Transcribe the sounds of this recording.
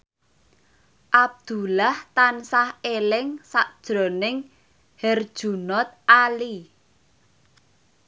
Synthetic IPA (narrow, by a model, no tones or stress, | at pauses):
ʔab̚d̪̥ṳlaht̪ansahelɪŋsaʔd̥ʒ̥ɾo̤nɪŋ | hɛrd̥ʒ̥ṳnɔt̪̚ʔali